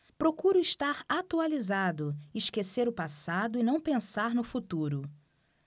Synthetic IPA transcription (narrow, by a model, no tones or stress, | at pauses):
pɾokuɾʊiʃt̪aɾat̪ualizad̪ʊɪʃkeseɾʊpasad̪ʊɪnɐ̃w̃pẽsaɾnʊfut̪uɾʊ